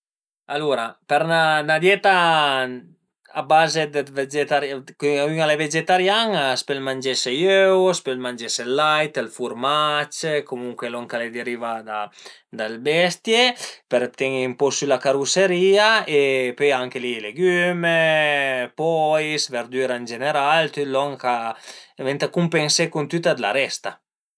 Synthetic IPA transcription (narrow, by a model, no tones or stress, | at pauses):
aluɾapɛɾnanad̪jɛt̪a | abazed̪ved͡ʒet̪aɾjkyayŋaleved͡ʒet̪aɾjaŋspelmand͡ʒɛsejøwspɛlmand͡ʒɛselːajt̪elfuɾmat͡ʃkomuŋkwelɔŋkaled̪eɾivad̪a | d̪albɛst̪jepeɾt̪ɛŋmpɔsylakaɾuseɾiːaepøjaŋkelileɡyme | pɔjsveɾd̪yɾand͡ʒeneɾalt̪ylɔŋkavɛnt̪akumpensekunt̪yt̪ad̪la̰ɾɛst̪a